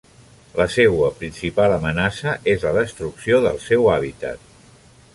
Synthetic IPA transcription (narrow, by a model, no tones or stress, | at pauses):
ləsɛwəpɾinsipaləmənasəʔezləðəst̪ɾuksioðəlˠsɛwaβ̞it̪ə̰t̪̚